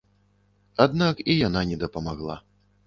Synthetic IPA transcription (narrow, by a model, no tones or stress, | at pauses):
ad̪nakijananʲɛd̪ɐpɐmaɣlˠa̰